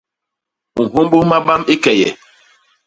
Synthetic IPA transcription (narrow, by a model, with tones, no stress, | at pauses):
u˨ɦo˦mbo˦ma˦ɓa˦mi˦kɛ˨jɛ̰˨